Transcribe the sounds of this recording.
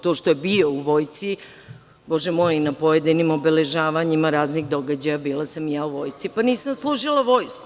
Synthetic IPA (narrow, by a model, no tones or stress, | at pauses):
t̪o̞ːʃt̪ojebio̞uʋo̞ːjt̪si | bo̞ʒɛmo̞jinapo̞jed̪inimo̞bele̞ʒaːʋaɲimaɾaːzniɣd̪o̞ɡad͡ʑajabiːlˠasamjaːuʋo̞jt̪sipaniːsamslˠuːʒilˠaʋo̞jsku